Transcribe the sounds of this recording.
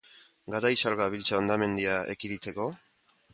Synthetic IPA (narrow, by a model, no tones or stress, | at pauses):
ɡaɾajsalɣaβilt͡saond̪ame̞nd̪iaḛkiðit͡s̪e̞ko̞